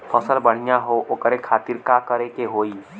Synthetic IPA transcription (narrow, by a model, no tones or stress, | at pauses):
pʰəsəlbəɽ̤̃ijaɦoʔʊkɾekʰaːt̪ɪɾkakəɾekeɦoːi